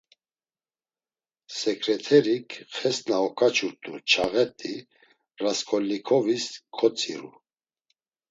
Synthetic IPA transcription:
sɛkʼɾɛt̪ʰɛɾikʰχɛsnaɔkʼat͡ʃʰuɾt̪ʼut͡ʃʰaʁɛt̪ʼi | raskʰɔlːikʰɔviskʰɔt͡sʼʰiɾṵ

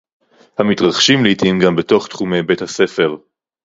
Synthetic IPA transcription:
hamitʁaχʃimleitimɡambeto̞χt̪χumejbe̞thase̞fe̞ʁ

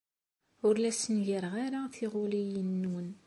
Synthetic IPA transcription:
ʊɾlæsːənʝəɾʁaɾaθiʁʊlijənːun

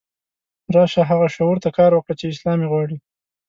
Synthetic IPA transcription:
ɾɑʃaɦaɣaʃauɾt̪akɑɾwəkɽat͡ʃeɪslɑmeɣwɑɽi

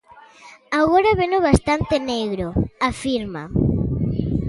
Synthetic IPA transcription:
aɣoɾaβenoβast̪ant̪eneɣɾoafiɾma̰

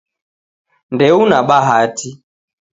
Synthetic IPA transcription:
ndɛunaɓaɦati

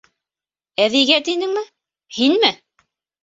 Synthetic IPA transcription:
æðijɡæt̪inɘŋmɘ | hinmɘ

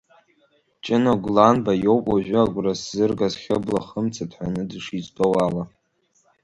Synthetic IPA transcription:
t͡ʃʼɪnaɡʷlanbajo̞wpʼwaʒʷᶣʊaɡʷraszɨrɡazχʲɪbla̰χəmt͡sʰatʰħʷᶣanɨdɨʂit͡sʼtʼowala

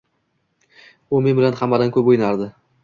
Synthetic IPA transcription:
omembɪlanχamːad̪ankʰɵpojnaɾd̪ɪ

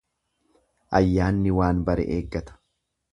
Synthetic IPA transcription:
ʔɐjːaːnːɪwaːnbɐɾɛ̰ʔeːɡːɐt̪ɐ̥

